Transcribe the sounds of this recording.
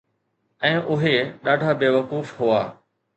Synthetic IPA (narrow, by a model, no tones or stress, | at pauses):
ɛ̃ːʔʊɦeɗaːɖʱabeːʋɐkuːfɦʊaː